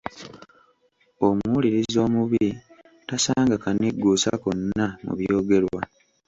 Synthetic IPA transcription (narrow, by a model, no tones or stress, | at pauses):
o̞muliɾizo̞ːmuβiɾi | tasaːŋɡakaniɡːuːsa̰konːamṵβjo̞ːɡe̞ɾwa